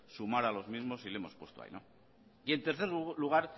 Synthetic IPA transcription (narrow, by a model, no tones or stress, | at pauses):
sumaɾalo̞zmizmo̞sileemo̞spwe̞st̪oa̰jno̞̰ | ie̞nt̪e̞ɾθeɾluɣ̞aɾ